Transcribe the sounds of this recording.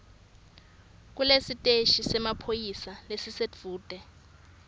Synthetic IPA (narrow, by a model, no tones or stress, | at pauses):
k̬ulesitʼeʃisɛmapʰojisalesised͡vʱuːd̥ʼʱɛ